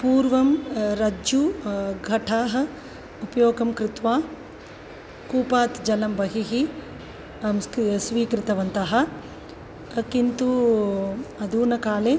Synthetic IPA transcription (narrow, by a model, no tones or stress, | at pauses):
puːɾʋɐmɾɐd͡ʒuɡʱɐʈʰaːɦɐ̆ | upɐjoːɡɐmkɾɪt̪ʋaː | kuːpaːt̪d͡ʒɐlɐmʋɐɦiɦi | sʋiːkɾɪt̪ɐʋɐnt̪ɐɦɐ | kint̪u | ɐd̪uːnɐkaːle